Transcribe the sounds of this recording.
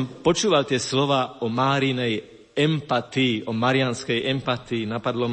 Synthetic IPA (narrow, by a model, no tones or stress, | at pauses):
mpɔt͡ʃuːʋalt̪ɪɛslɔʋaːɔmaːɾinɛj | ɛmpat̪iːʔɔmaɾɪanskɛjʔɛmpat̪iːnapad̪lɔ